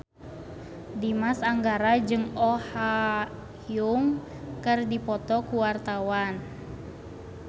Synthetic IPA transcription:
dimasaŋɡaɾad͡ʒɨŋɔha | juŋ | kɨrdipɔt̪ɔkuwart̪awan

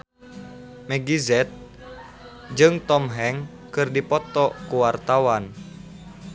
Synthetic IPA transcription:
mɛɡizɛt̪̚ | d͡ʒɨŋt̪ɔmɦɛŋ | kɨrdipɔt̪ɔkuwart̪awan

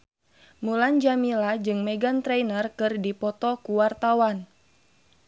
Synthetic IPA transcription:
muland͡ʒamilad͡ʒɨŋmɛɡant̪ɾɛnərkɨrdipɔt̪ɔkuwart̪awan

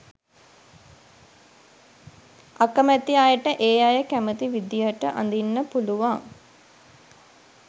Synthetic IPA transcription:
akəmæt̪ijajəʈəʔeːjajəkæmət̪iʋid̪jəʈəʔa̰nd̪inːəpuluʋaŋ

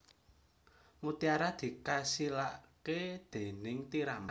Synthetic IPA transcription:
mut̪iaɾad̪̥i̤kasilaʔked̪̥e̤nɪŋt̪iɾam

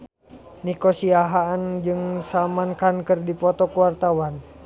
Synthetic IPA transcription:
nikɔsiaɦaːnd͡ʒɨŋsamankankɨrdipɔt̪ɔkuwart̪awan

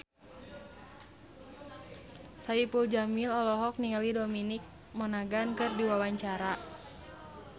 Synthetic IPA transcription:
saipuld͡ʒamilɔlɔɦɔk̚niŋalidominik̚ | mɔnaɡankɨrdiwawaɲt͡ʃaɾa

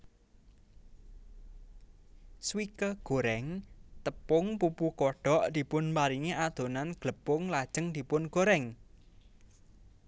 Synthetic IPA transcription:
swikəɡ̥o̤ɾɛŋt̪əpʊŋpupukɔɖ̥ɔ̤ʔd̪̥i̤pʊnpaɾiŋeʔad̪̥o̤nanɡ̥ləpʊŋlad̥ʒ̥ə̤ŋd̪̥i̤pʊnɡ̥oɾɛŋ

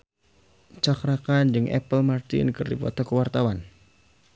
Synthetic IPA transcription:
t͡ʃakɾakand͡ʒɨŋʔɛ̰pəlmart̪ɪ̰nkɨrdipɔ̰t̪ɔkəwart̪awan

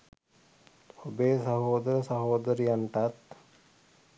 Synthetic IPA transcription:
obeːsəɦoːd̪əɾəsəɦoːd̪əɾjanʈat̪̚

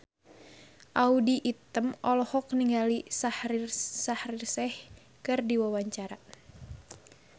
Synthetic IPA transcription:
ʔaudiʔit̪əmɔlɔhɔk̚niŋɡalisahrirsahrirsɛh | kɨrdiwawaɲt͡ʃaɾa

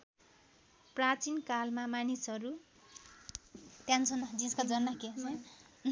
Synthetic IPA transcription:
prat͡sinkalmamanisʌɾu | t̪jãnt͡sʰʌnʌd͡zinskad͡zʌnːakeʌ

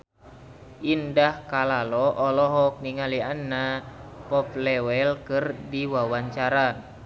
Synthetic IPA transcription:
ʔindahkalalɔʔɔlɔɦɔk̚niŋalianːapɔplɛwɛlkɨrdiwawaɲt͡ʃaɾa

